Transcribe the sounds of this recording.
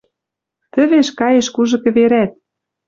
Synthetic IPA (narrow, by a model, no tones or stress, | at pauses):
t̪ə̆βeʃkɑjeʃkuʒɤ̆kɘ̆βeɾæt̪̚